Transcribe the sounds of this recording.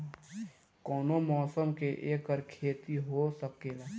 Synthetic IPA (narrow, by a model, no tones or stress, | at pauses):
kɔːnomɔːsəmkeʔeːkəɾkʰeːt̪iɦosəkeːɡaː